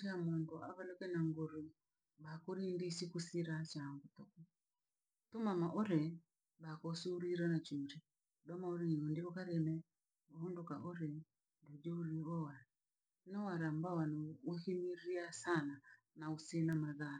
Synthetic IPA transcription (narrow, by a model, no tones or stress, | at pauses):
amundua̰βalɔkɛnaŋɡoɾi | βakoɾindisikusiɾat͡ʃaŋɡutɔkɔ | tɔmamaʔɔɾɛ | βakɔsuɾiɾanat͡ʃuɾi | damaoɾiɲiɔndiɔkaɾɛmɛ | waɔndokaʔɔɾɛ | ndud͡ʒouliɔwa | nɔwaɾambawaniwɛhimiɾiasana | nausinamaðaɾa